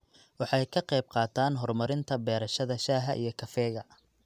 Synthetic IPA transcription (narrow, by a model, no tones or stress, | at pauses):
wɑħɑjkʰɐqɛjb̚qɑːt̪ʰaːnɦɔrmɐɾɪnt̪ʰɐbɛːɾɐʃɐðɐʃaːɦɐʔḭjɞkʰɐfɛːɣɐ